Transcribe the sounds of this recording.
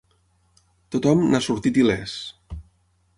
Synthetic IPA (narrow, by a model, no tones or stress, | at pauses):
t̪ot̪ɔmnasuɾt̪it̪ilɛs